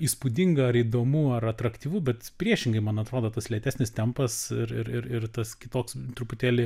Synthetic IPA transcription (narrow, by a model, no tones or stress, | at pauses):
iːspud̪ʲɪŋɡɐɐɾiːd̪oːmuːɐrɐt̪ɾɐkt̪ʲiːʋuːbʲɛt̪pʲɾʲiɛʃʲɪŋɡɐɪmɐnɐt̪ɾoːd̪oːt̪ɐslʲɛt̪ʲæːsʲnʲɪst̪ʲɛmpɐsɪɾɪɾɪɾɪrt̪ɐskʲɪt̪oːkst̪ɾʊpʊt̪ʲæːlʲɪ